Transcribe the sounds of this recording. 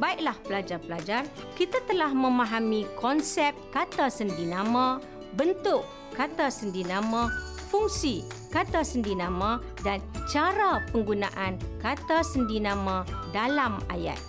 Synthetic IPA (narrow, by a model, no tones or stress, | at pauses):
baiʔ̚lahpəlad͡ʒarpəlad͡ʒar | kit̪at̪əlahmə̃mãɦamĩkɔnsɛp̚t̪̚kat̪asəndinãmã | bənt̪ʊʔ | kːat̪asəndinãmãfuŋsikat̪asəndinãmã | dant͡ʃaɾapəŋɡunãʔankat̪asəndinãmãdalama̰ja̰t̪̚